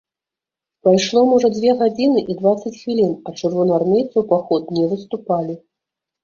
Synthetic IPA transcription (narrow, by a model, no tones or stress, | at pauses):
pajʂlˠɔmɔʐɐd͡zʲvʲɛɣad͡zʲinɨʔid̪vat̪sːɐt͡sʲxvʲilʲinɐt͡ʂɨrvɔnɐarmʲejt̪sɐwpaxɔt̪̚nʲɛvɨst̪upalʲi